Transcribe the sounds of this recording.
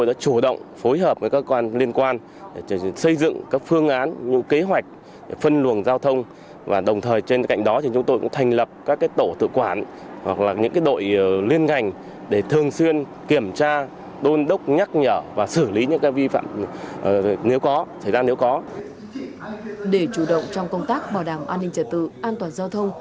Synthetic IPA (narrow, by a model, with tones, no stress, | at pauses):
o˧jɗa̰ː˧˥t͡ɕu˧˩ɗə̰˧˨wŋ͡mfo˨˦jɦəː˨˩p̚aː˨˦kəː˧kwaː˧nli˧ənkwaː˧n | ɗsə˧jzɨ̰˧˨ŋkaː˦˥k̚fɨ˧əŋʔaː˨˦nɲɨ̰˧˥ke˨˦ɦwa˨˩jk̟̚ | fə˧nlu˨˩ənzaː˧wt̪ʰə˧wŋ͡m | va̰ː˨˩ɗə˨˩wŋ͡mt̪ʰəː˨˩jt͡ɕe˧nka̰˧˨jŋ̟ɗɔ˨˦t̪ʰi˨˩t͡ɕʊ˨˦ŋ͡mt̪o˧jkŋ͡mt̪ʰa˨˩jŋ̟lə˨˩p̚kaː˦˥kːaː˨˦jt̪o˧˩t̪ɨ̰˧˨əkwaː˧˩n | hwa˨˩k̚laː˨˩ɲɨ̰˧˥ŋkaː˨˦jɗo̰˧˨jli˧ənŋa˨˩jŋ̟ | ɗe˧˩t̪ʰɨ˨˩əŋswi˧ən | ki˧˩əmt͡ɕaː˧ | ɗo˧nɗə˦˥wk͡p̚ɲa˦˥k̚ɲəː˧˩vaː˨˩sɨ˧˩li˨˦ɲɨ̰˧˥ŋkaː˨˦jvi˧fa̰ː˧˨m˨ | ne˨˦wkɔ˨˦sə˧˩jzaː˧ne˨˦wkɔ˨˦ | ɗe˧˩t͡ɕu˧˩ɗə̰˧˨wŋ͡mt͡ɕɔ˧wŋ͡mkə˧wŋ͡mt̪aː˦˥k̚ɓaː˧˩wɗaː˧˩mʔaː˧nːï˧ŋ̟t͡ɕə˧˩t̪̚ɨ̰˧˨ʔaː˧nt̪waː˨˩nzaː˧wt̪ʰə˧wŋ͡m